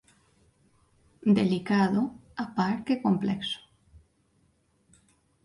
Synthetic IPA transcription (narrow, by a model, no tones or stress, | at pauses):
d̪elikaðoapaɾkekomplekso̥